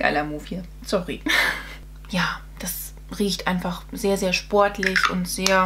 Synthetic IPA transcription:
ɡ̥a̰ɪlɐmuːfhi | sɔʁi | jaː | d̥as | ʁiːçtʔaɪnfaχz̥eːɐzeːɐʃpɔɐtʰlɪçʊ̰ntz̥eːɐ

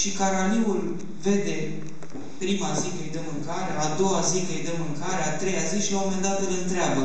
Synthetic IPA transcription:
ʃikaɾaniul | ve̞d̪e̞ | pɾimazikejd̪emɨŋkaɾead̪o̞wazikejd̪emɨŋkaɾeat̪ɾe̞jaziʃiawamend̪at̪ɨlɨnt̪ɾeabə

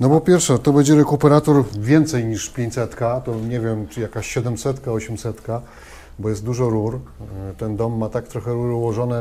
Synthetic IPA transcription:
nɔpɔpʲjɛɾfʂɛt̪ɔbɛɲd͡ʑɛɾɛkupɛɾat̪ɔɾvʲjɛnt̪sɛjɲiʂpʲjẽɲt͡ɕʲsɛt̪kat̪ɔɲɛvʲjɛmt͡ʂɨjakaɕɕɛd̪ɛmsɛt̪kaɔɕɛmsɛt̪ka | bɔjɛst̪d̪uʐɔɾuɾt̪ɛnd̪ɔmːat̪ak̚t̪ɾɔxɛɾuɾwɔʐɔnɛ

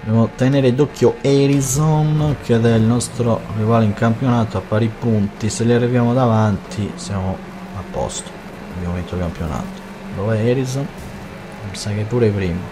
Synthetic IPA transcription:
obɛmot̪ɛneːɾed̪okːjoɛɾizonk̟ɛðɛilnɔst̪ɾorivaːleiŋkampjonaːt̪oapːaɾipunt̪iseliarːivjaːmod̪avant̪ʰisjamo | apːɔ̰st̪o̥ | abjamovint̪okampjona̰ːt̪o̥ | lovɛɛɾizon | pɛnsakepːuːɾepɾiːma

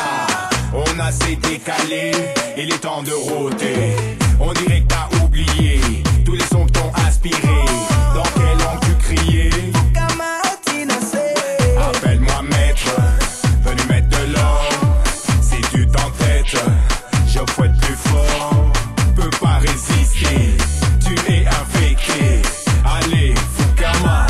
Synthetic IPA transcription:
ɔ̃nased̪ekale | elet̪ɑ̃d̪əʁot̪eɔ̃d̪iʁɛk̚t̪aʔublijet̪ulesɔ̃kiɔ̃ʔɛ̃spiʁed̪ɑ̃kɛlɔ̃t̪ykχijjekamainsɛapɛlmwamɛt̪χ | vənumɛt̪χd̪əlɔʁ | sɛd̪yt̪ɑ̃t̪ɛt̪ | ʒəfwɛt̪əplyfɔ | pøpaʁezist̪et̪yɛʔɛ̃fet̪ealekama

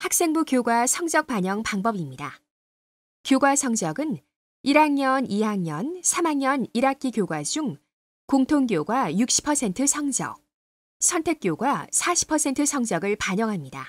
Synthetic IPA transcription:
hak̚s͈e̞ŋbukjoɡwasʰʌŋd͡ʑʌk̚p͈aɲʌŋpaŋbʌbimɲida | kjoɡwasʰʌŋd͡ʑʌɡɯn | iɾaŋɲʌnʔiɦaŋɲʌnsʰamɦaŋɲʌniɾak͈ʰikjoɡwad͡ʑuŋ | koŋtʰoŋɡjoɡwajuk̚ɕ͈ʰi̥pʰʌsʰe̞ntʰɯsʰʌŋd͡ʑʌ̰k̚ | sʰʌntʰe̞k̚k͈joɡwasʰaɕʰi̥pʰʌsʰe̞ntʰɯsʰʌŋd͡ʑʌɡɯɭpaɲʌŋɦamɲida̰

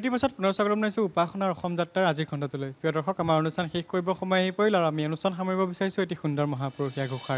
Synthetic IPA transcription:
etipasɔt̚punɔɹɔsɔɡɹɔmnajsʊ̃upaxʰɔnaɹɔxɔmzatːaɹaziɹɡʰʱɔntɔtulojpɹiɔdɔɹxɔkamaɹonustʰanxexkoɹibɔxɔmɔjaɦipoɹilaɹuamionustʰanxamɔɹibɔbisaɹisʊ̃etixundɔɹmɔɦapɔɹoxijaɡʱuxʰaɹ

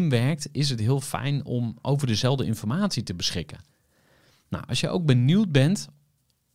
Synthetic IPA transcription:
mʋɛrk̚tɪs̬ətɦɪəlˠfɛ̰jnɔ̰mʔo̰wvərdəzɛlˠvdəɪnfɔrmaːtsitəbəsχɪkə̰ | na̰wʔɑ̰sjə̰ʔowɡ̚bəniwt̚bɛnt

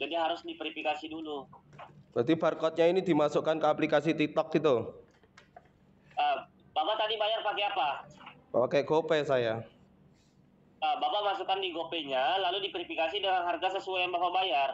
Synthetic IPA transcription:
d͡ʒandiaɦaɾʊsdipɾifikasidulu | at̪iparkɔt̪̚ɲainidimasukankəaplikas̬it̪ik̚t̪ɔk̚ɡit̪u | ʔəː | bapat̪adibajarpakeapa | pakɛɡopɛsaja | əːbapamasukandiɡopɛɲalaludipɾifikasidəŋanɦarɡasəsuajaŋbapabajar

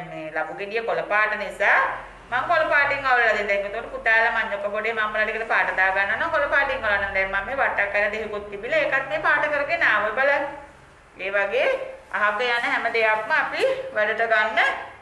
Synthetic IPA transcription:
meːlabuɡeɖijəkoləpaːʈənisaː | maŋkoləpaːʈiŋɡaʋləlad̪ind̪ɛŋɡot̪uŋkoʈəput̪aːlamaɲːokːəpoɖeːmamːəlaɖikəʈəpaːʈəd̪aːɡanːəʋanoakoləpaːʈiŋɡalanːaŋd̪ɛŋmamːeːʋaʈːakːaɾəd̪eɦikut̪ːibilaekat̪̚meːpaːʈəkəɾəɡenaːʋəbala | eːʋaɡea̰ɦakəjanːəɦɛməd̪ejakməapiʋæɖəʈəɡanːə

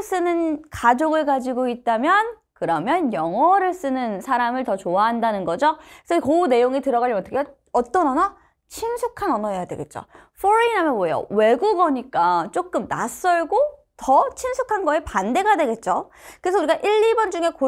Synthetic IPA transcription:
s͈ɯnɯnkad͡ʑoɡɯɭkad͡ʑiɡoit̚t͈amjʌn | kɯɾʌmjʌnjʌŋʌɾɯɭs͈ɯnɯnsʰaɾamɯɭtʌt͡ɕoaɦandanɯnɡʌd͡ʑokɯ̥sʰʌkone̞joŋitɯɾʌɣaɭʎʌʌtʰʌkʰe | ʌt͈ʌnʌnʌ | t͡ɕʰinsʰukʰanʌnʌejadwe̞ɡe̞t̚t͡ɕ͈o̰ | ɸʰoɾiinamjʌboejo̰we̞ɡuɡʌɲik͈at͡ɕ͈ok͈̚ɯmna̰s͈ʌɭɡo | tʌt͡ɕʰinsʰukʰanɡʌe̞pande̞ɡadwe̞ɡe̞t̚t͡ɕ͈o | kɯɾe̞sʰʌuɾiɡaʔiɭːibʌnd͡ʑuŋe̞ko

